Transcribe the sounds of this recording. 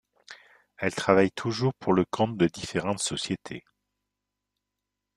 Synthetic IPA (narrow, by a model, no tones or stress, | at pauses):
ɛlt̪χavajt̪ʰuʒuʁpʰuʁləkʰɔ̃t̪d̪əd̪ifeʁɑ̃t̪sɔsjet̪ʰḛ